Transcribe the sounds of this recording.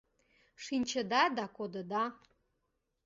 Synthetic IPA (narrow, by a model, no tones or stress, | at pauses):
ʂinʲt͡ʃʰəd̪ad̪akod̪əd̪a